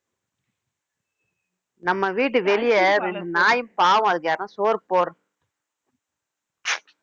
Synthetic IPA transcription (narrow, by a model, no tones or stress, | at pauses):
nɐmːɐʋiːʈ̬ːɯʋɛɭɪjɐɾɛndɯnaːjɯmpaːʋʊ̃ɐðɯk̬ːɐjaːɾnãːsoːɾpoːɾ